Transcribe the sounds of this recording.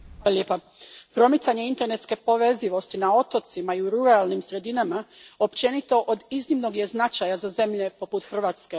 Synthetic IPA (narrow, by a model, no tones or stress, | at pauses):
alaljepa | pɾo̞mit̪saɲe̞int̪e̞ɾne̞t̪ske̞po̞ʋe̞ziʋo̞st̪inao̞t̪o̞t̪simaiuɾuɾalˠnimsɾe̞d̪inamao̞pt͡ʃe̞nit̪o̞ʔod̪iznimno̞ɡje̞znat͡ʃajazaze̞mʎe̞po̞put̪xr̩ʋaːt̪ske